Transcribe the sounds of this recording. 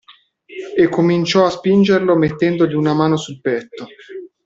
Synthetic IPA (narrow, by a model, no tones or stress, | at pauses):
ekːomint͡ʃɔaspind͡ʒerlomet̪ːɛnd̪olunamaːnosulpɛt̪ːo